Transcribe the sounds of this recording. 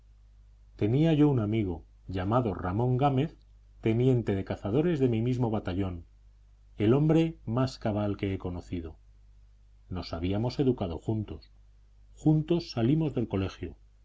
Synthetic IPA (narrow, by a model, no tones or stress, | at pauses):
t̪e̞niaʝo̞unamiɣ̞o̞ | ʎamaðo̞̰ramõ̞ŋɡame̞θ | t̪e̞nje̞nt̪e̞ðe̞kaθað̞o̞ɾe̞zðe̞mimizmo̞βat̪aʎo̞n | e̞lo̞mbɾe̞maskaβ̞alke̞eko̞no̞θið̞o̞ | no̞saβ̞iamo̞se̞ðukað̞o̞xunt̪o̞s | xunt̪o̞sːalimo̞zðe̞lko̞le̞xjo